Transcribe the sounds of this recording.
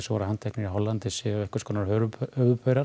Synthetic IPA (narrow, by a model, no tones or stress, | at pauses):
svɔːɾahant̪ʰɛknɪɾiɦɔlːant̪ɪsɪɛhkʏɾ̥skʰɔːnaɾœɾʏœvʏpœɥɾa